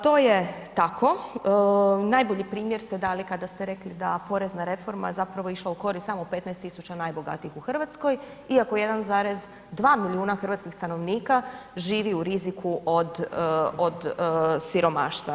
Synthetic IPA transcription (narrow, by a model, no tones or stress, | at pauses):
t̪o̞ːjet̪akʰo̞ | najbo̞ʎipɾiːmje̞ɾst̪ed̪aːlikad̪ast̪eɾe̞klid̪apo̞ɾeznaɾe̞fo̞ɾma̰zapɾaʋo̞iʃlˠauko̞ɾist̪amope̞t̪naest̪ːisut͡ɕanajbo̞ɡa̰t̪iixuxr̩ʋat̪sko̞j | iako̞je̞d̪anzaːɾe̞z | d̪ʋaːmiliuːnaxr̩ʋat̪skixst̪ano̞ʋniːkaʒiːʋiuɾizikʰuʔod̪od̪siɾo̞ma̰ːʃt̪ʋa